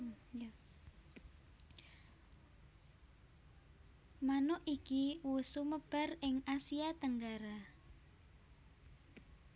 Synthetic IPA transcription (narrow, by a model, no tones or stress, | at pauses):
manʊʔikiwusuməb̥a̤rɪŋasiat̪əŋɡaɾa